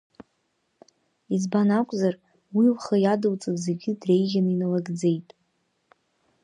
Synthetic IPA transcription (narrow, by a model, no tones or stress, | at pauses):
izbanakʷʼzar | wilχəjadɨwt͡sʼɨzeɡʲɪdre̞jʒʲanɨinalaɡd͡ze̞jtʼ